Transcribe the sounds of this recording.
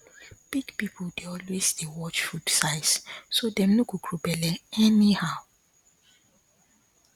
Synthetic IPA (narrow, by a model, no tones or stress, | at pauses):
b̥iɡpipʰodeɔlwesdewɔt͡ʃfudsaɪssodɛ̃mnoɡoɡɹobɛlɛɛnihaʊ